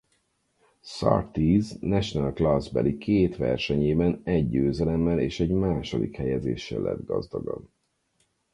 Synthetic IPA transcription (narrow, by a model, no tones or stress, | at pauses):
sɒ̰rt̪iːznɛʃnalklazbɛlikʰeːt̪ʋɛ̰rʃɛɲeːbɛnɛɟːøːzɛlɛmːɛleːʃɛɟmaːʃo̞d̪ikhɛjɛzeːʃːɛlːɛ̰d̪ɡɒzd̪ɒɡɒb